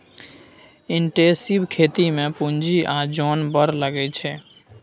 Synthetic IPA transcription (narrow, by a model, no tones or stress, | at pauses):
iɳʈẽsibkʰet̪imẽpund͡ʒiʔad͡ʒonbəɾləɡɛt͡ʃʰɛ